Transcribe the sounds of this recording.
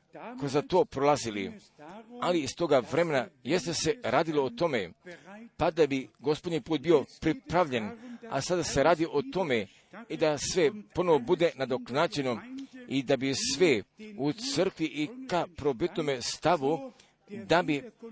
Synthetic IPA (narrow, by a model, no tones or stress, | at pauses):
kozat̪o̞ːpɾolˠazilḭ | aliːst̪o̞ɡaʋɾe̞menajest̪ese̞ɾaːd̪ilo̞ot̪o̞mepad̪abiɡospod̪ɲipuːt̪̚bio̞pɾipɾaʋʎena̰sad̪ase̞ɾaːd̪iʔot̪o̞me | id̪asʋepo̞noʋobud̪e̞nad̪o̞klnad͡ʑe̞noid̪abisʋeut̪sər̩kʋiʔikapɾo̞bit̪nomest̪aʋu | d̪abi